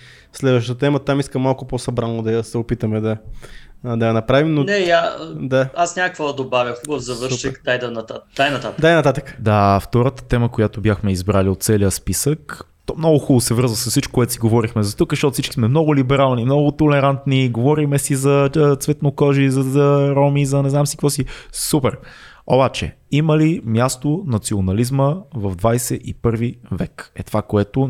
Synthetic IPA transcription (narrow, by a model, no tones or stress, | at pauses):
slɛd̪vəʃt̪ət̪ət̪ɛmət̪amiskəmːalˠkʊposɐbɾanːod̪ɐsɛopit̪əmɛd̪ɐ | d̪ɐjɐnɐpɾavimnonɛjad̪aasnʲamkəkvɔd̪ɐd̪obavjəxubəvzɐvɤɾʃikd̪ajd̪ɐnɐt̪at̪d̪ajnɐt̪at̪ək̪ajnɐt̪at̪əkəd̪aft̪ɔɾət̪ə̥t̪ɛməkojat̪obʲjaxmɛizbɾaliot̪t̪sɛliəspisək | t̪ɔmnɔɡʊxulˠosɛvəɾzvəsəsːit͡ʃko̥kːʊɛt̪siɡovɔɾixmɛzɐt̪ukzəʃt̪ɔt̪ʊfsit͡ʃkismɛmnɔɡʊlibɛɾalˠnimnɔɡʊt̪olɛɾant̪niɡovɔɾimɛsizɐt̪svɛt̪nokɔʒizɐɾɔmizɐnɛzamsikvɔsisupɛɾ | o̰bat͡ʃɛ̰ | iməlimjast̪onɐt̪sionɐlizməvɐvd̪vajsɛʔipɤɾvivɛkɛt̪ovakoɛt̪o